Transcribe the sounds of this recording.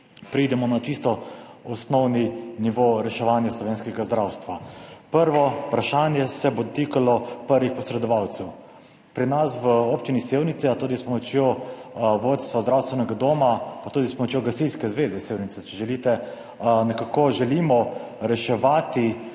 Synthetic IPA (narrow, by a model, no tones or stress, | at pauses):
pɾid̪ɛmɔnat͡ʃist̪ɔɔsnɔwniniʋoɾɛʃɛʋanjaslɔʋeːnskɛɡazd̪ɾaːwst̪ʋapəɾʋɔpɾaʃaːnjɛsɛbod̪ɔt̪iːkalɔpəɾʋixpɔsɾɛd̪ɔʋawt̪sɛw | pɾinasʋəoːpt͡ʃiniseːwnit̪sɛat̪uːd̪ispɔmɔt͡ʃjo | ʋoːt̪st̪ʋazd̪ɾawst̪ʋɛnɛɡad̪oːmapat̪uːd̪ispɔmɔt͡ʃjoɡast̪ilskɛzʋeːzɛseːwnit̪sɛt͡ʃɛʒɛlit̪ɛ | nɛkakoʒɛlimɔ | ɾɛʃɛʋaːt̪i